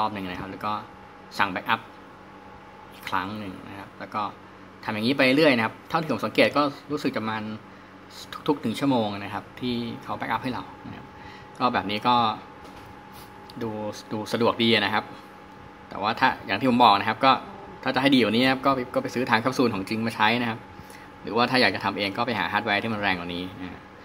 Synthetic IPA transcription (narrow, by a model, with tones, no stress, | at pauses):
t̪ɔː˧˩m̚nɯ˨˩ŋna˦˥a˦˥p̚lɛː˦˥kɔː˥˩ | sa˨˩ŋbɛ˦˥k̚ʔa˦˥p̚ | ʔi˨˩kʰːɾa̰˦˥ŋnɯ˨˩ŋna̰˦˥kʰa˦˥p̚lɛː˦˥wkɔː˥˩ | t̪ʰa˧mja˨˩ŋiː˦˥pa˧jle˦˥ɾɯ˥˩əjna˦˥kʰa˦˥p̚t̪ʰːt̪ʰiː˩˦sa˩˦keː˨˩t̪̚kɔː˥˩ɾuː˦˥sɯ˨˩k̚t͡ɕa˨˩maː˧n | t̪ʰu̥˦˥k̚t̪ʰu˦˥k̚nɯ˩˦ŋt͡ɕʰu˥˩əmoː˧ŋa˩na˦˥kʰa˦˥p̚t̪ʰiː˥˩kʰa˦˥wbɛ˦˥k̚ʔa˦˥p̚ha˥˩jɾa˨wna˦˥kʰa˦˥p̚ | kɔː˥˩bɛː˨˩p̚niː˦˥kɔː˥˩ | duː˧duː˧sa˧du˨˩ək̚diː˧a˩na˦˥kʰa˦˥p̚ | t̪ɛ̰ː˨˩waː˥˩t̪ʰaː˥˩jaː˨˩ŋt̪ʰiː˥˩˦mbɔː˨˩k̚na˦˥kʰa˦˥p̚kɔː˥˩ | t̪ʰaː˥˩t͡ɕa˨ʔɦa˥˩jdiː˧ja˨˩niː˦˥a˦˥p̚kɔː˥˩˧kɔː˥˩pa˧jsɯː˦˥t̪ʰaː˧ŋkʰa˥p̚suː˧˩nkʰɔː˩˦ŋt͡ɕi˧ŋma˧˩t͡ɕʰa˦˥jna˦˥kʰa˦˥p̚ | ɾɯː˩˦waː˥˩t̪ʰaː˥˩jaː˨˩kt͡ɕa˨t̪ʰa˧mʔeː˧ŋkɔː˥˩pa˧jɦa̰ː˩˦ɦaː˦˥t̪̚wɛ˦˧jt̪ʰiː˥˩ma˧nɾɛː˧ŋa̰˨˩ŋniː˦˥na˦˥kʰa˦˥